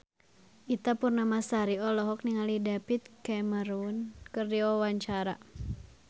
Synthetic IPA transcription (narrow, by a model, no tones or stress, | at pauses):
ʔit̪apurnamasaɾiɔlɔɦɔk̚niŋalidapit̪̚kɛməɾunkɨrdiawaɲt͡ʃaɾa